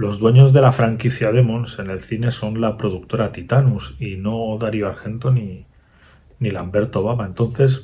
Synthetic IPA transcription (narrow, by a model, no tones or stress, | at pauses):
lo̞zðwe̞ɲo̞zðe̞lafɾaŋkiθjað̞e̞mõnse̞ne̞lθine̞so̞nlapɾo̞ð̞uk̚t̪o̞ɾat̪it̪anusino̞ðaɾjoaɾxe̞nt̪o̞ni | nilambe̞ɾt̪o̞βaβae̞nt̪o̞n̟θe̞s